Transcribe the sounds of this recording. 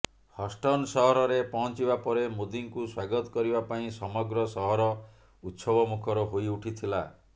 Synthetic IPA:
hɔsʈɔnsɔɦɔɾɔɾepɔɦɔ̃nt͡ʃibapɔɾemud̪iŋkuswaɡɔt̪ɔ̥kɔɾibapaĩsɔmɔɡɾɔsɔɦɔɾɔ | ut̪sɔbɔmukʰɔɾɔɦojuʈʰit̪ʰila

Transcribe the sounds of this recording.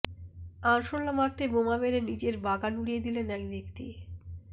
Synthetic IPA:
anʃoɾːamaɾt̪ʰebomameɾenid͡ʑeɾbaɡanuɽijed̪ilenɛkb̪ekt̪i

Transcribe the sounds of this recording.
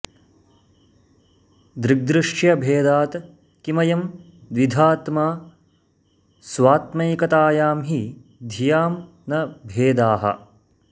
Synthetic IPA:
d̪ɾɪɡ̚d̪ɾɨʂjɐbʱeːd̪aːt̪ | kimɐjɐm | d̪ʋid̪ʱaːt̪maː | sʋaːt̪mɐjkɐt̪aːjaːmɦi | d̪ʱijaːm | nɐbʱeːd̪aːɦɐ̰

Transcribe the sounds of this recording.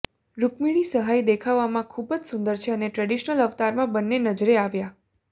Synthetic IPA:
ɾupmiɭisəɦajd̪ekʰaʋːamãkʰubd͡ʒsund̪əɾt͡ʃʰeəneʈɾɛɖiʃnələʋt̪aɾmãbənːenəd͡ʒɾeaʋja

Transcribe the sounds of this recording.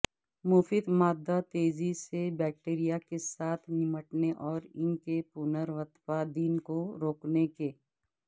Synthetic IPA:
muːfiːd̪maːd̪ːat̪eːzisebɛːk̚ʈeːɾijakesaːt̪ʰnɪməʈneʔɔːɾɪnkepunəɾʋət̪fad̪iːnkoɾoːknekeː

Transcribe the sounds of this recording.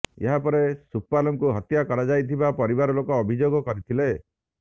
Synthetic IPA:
ḛɦapɔɾesupːalɔmkuɦɔt̪jakɔɽad͡ʒajt̪ʰibapɔɾibaɾɔlokɔːbʱid͡ʒoɡɔkɔɾit̪ʰile

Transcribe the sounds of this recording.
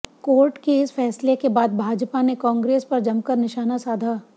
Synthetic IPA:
koːɾʈkeɪsfɛːslekebaːd̪̚bʱaːd͡ʒpanekɔ̃ːŋɡɾeːspɐɾd͡ʒɐmkəɾnɪʃaːnasaːd̪ʱaː

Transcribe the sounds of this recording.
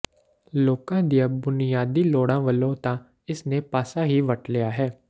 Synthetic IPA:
loːkãːd̪ijãːbʊnɪjaːd̪iːloːɽãːʋəlõːt̪ãː | ɪsneːpaːsaːɦiːʋəʈlɪjaːɦɛː

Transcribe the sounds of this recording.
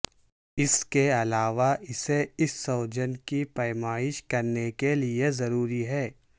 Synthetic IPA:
ɪskeɐlaːʋaɪseɪsːoːd͡ʒənkipɐjmaːɪʃkɐɾnekeliezɐɾuːɾiɦɛː

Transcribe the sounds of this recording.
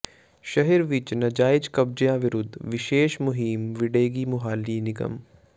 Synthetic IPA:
ʃɐɦəɾʋɪt͡ʃnɐd͡ʒaːɪd͡ʒkɐb̚d͡ʒjãʋɪɾʊd̪ʱʋɪʃeːʃmʊɦiːmʋɪɖeːɡimʊɦaːliːnɪɡə̰m

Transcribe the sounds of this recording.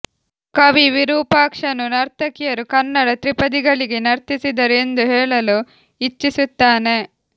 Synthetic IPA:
kɐʋiʋiɾuːpaːkʂɐnunɐɾt̪ʰɐkijɐɾukɐnːɐɽɐt̪ɾipɐd̪iɡɐɭiɡenɐɾt̪isid̪ɐɾend̪uɦɛːɭɐlu | it͡ʃːisut̪ːaːne̞

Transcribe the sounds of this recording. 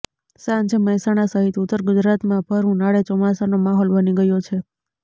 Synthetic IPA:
sãnt͡ʃʰeməɦisaɽ̃asəɦit̪ʊt̪ːəɾɡʊd͡ʒɾat̪mãbʱəɾũnaɭet͡ʃɔmasanomaɦɔlbəniɡəjot͡ʃʰe

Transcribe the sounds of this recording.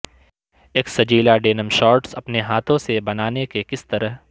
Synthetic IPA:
eːksɐd͡ʒiːlaɖeːnəmʃɔːɾʈsɐpneɦaːt̪ʰõsebɐnaːnekekɪst̪ɐɾəɦ

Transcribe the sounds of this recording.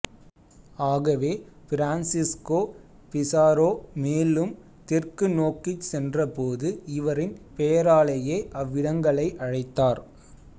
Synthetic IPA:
aːɣɐʋeː | fɪɾaːnsɪskoː | pɪsaːɾoːmeːlɯm | t̪ɪrkɯnoːkːɪt͡ʃsɛndrɐpoːðɯɪʋɐɾɪnpejɐɾaːɭɐjeːʔɐʋːɪɽɐŋɡɐɭɐɪʔɐɻɐɪt̪ːaːɾ

